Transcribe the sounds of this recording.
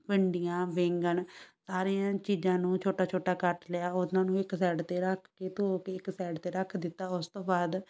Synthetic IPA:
pəɳɖɪjãːʋɪŋɡəɳsaːɾijãːt͡ʃiːd͡ʒãːnũːt͡ʃʰoːʈaːt͡ʃʰoːʈaːkəʈləjaːʊnãːnũːɪksɛːɖt̪eːɾəkʰkeːt̪okeɪksɛːɖt̪eːɾəkʰd̪ɪt̪ːaːʊst̪õːbaːd̪

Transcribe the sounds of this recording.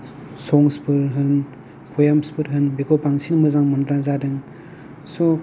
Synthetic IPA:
sɔŋspɯɾɦɯn | kʰojamspɯɾɦɯnbikʰopaŋsinmɯzaŋmɯndɾazadɯŋ | so

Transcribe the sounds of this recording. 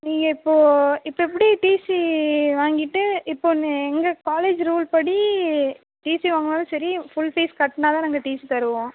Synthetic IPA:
niːŋɡɐɪpːoːɪpːoɛp̬ːɐɽiʈiːsiʋaːŋɡɪʈːɯɪpːoːnɛŋɡɐkaːleːd͡ʒɾuːlpɐɽi | ʈiːsiʋaːŋɡɐmaːðɯsɐɾifʊɭfiːskɐʈːnaːt̪ãːnaːŋɡɐʈiːsit̪ɐɾɯʋõː

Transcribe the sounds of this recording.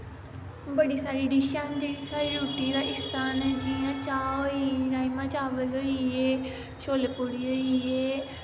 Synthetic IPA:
bəɽiːsaːɾiːɖiʃand͡ʒeːɽisaːɾiːɾuːʈiːd̪aːʔɪsaːned͡ʒiãːt͡ʃaːoiɾaːimãːt͡ʃaːʋəlɦoieː | ʃoːleːpʊɽiːɦʊiːeː

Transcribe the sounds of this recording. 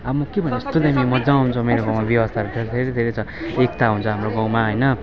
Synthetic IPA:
abmʌkebʱʌneʌst̪od̪ɦamimʌd͡zaw̃ɦunt͡sʰʌmeɾoɡʌ̃w̃mabjʌwʌst̪ʰaɾud̪ʰʱeɾd̪ʱeɾʌd̪ʱeɾet͡sʰʌek̚t̪aɦunt͡sʰʌɦamroɡʌw̃maɦʌjnʌ

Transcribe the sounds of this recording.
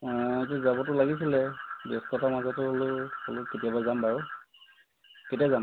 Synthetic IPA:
t̬ɛzabɔtʊlaɡisilɛbeskɔtʰamazɔtʊolʊholʊketijabazambaɹʊ | ketiazam

